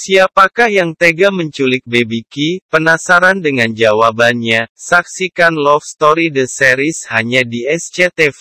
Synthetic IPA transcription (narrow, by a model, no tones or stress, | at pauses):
siapakahjaŋt̪eɡaməɲt͡ʃulɪk̚bebikipənasaɾandəŋand͡ʒawabanɲasaksikanlɔfst̪ɔɾidəsɛɾishaɲadiɛst͡ʃet̪ɛf